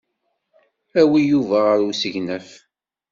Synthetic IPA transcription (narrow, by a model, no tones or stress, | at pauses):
æwijuvæʁəɾusəʝnæf